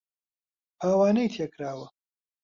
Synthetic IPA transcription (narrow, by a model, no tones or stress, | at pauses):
haːwaːnɐjt̪ʰjɐkɾaːwə